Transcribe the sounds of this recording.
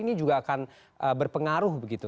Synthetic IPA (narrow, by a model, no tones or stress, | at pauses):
inid͡ʒuɡaːkan | ʔəbərpəŋaɾʊhbəɡit̪u